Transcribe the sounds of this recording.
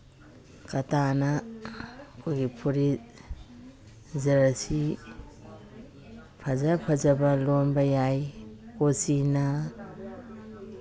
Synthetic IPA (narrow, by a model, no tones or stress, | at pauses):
kɐtana | kʰoɡipʰuɾi | zɐɾasi | pʰɐzapʰɐzɐbɐlonbɐjajkosina